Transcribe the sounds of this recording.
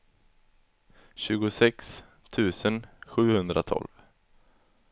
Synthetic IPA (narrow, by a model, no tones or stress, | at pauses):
ɕʉ̟ːɡʊsɛks | t̪ʰʉ̟ːsənɧʉ̟ːhɵnd̪ɾa̰t̪ʰɔ̰lv